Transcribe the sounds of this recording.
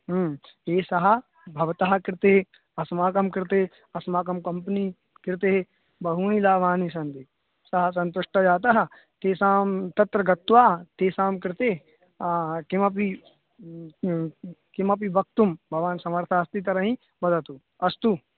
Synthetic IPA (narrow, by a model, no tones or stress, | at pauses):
ɦːeːsɐɦɐ̆ | bʱɐʋt̪aɦɐkɪɾt̪eɦe | ɐsmaːkɐmkɪɾt̪ee | ɐsmaːkɐmkɐmpəni | kɪɾt̪eɦe | bɐɦuːñilaːʋaːnisɐnt̪i | sɐɦɐs̬ɐ̃nt̪uʂʈɐd͡ʒaːt̪ɐɦɐ | t̪eːsaːmt̪ɐt̪ɾɐɡɐt̪ːʋaːɐt̪eːsaːmkɪɾt̪e | kimɐp̬i | kimɐp̬ibɐk̚t̪umbʱɐʋaːnsɐmɐɾt̪ʰaɐst̪it̪ɐɾɐɦĩ | bɐd̪ɐt̪u | ɐst̪u